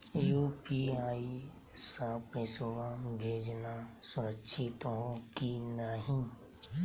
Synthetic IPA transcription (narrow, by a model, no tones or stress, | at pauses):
juːpiaːi | saːpesʊʋabʱeːd͡ʒnasʊɾəkʃʰɪt̪ɦokinəɦĩ